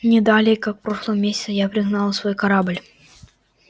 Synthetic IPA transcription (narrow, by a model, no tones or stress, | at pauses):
nʲɪd̪alʲɪjkakpɾoʂlˠəvəmʲesʲɪ̥t̪sʲəjapɾʲɪɣnalˠəsvojkɐɾablʲ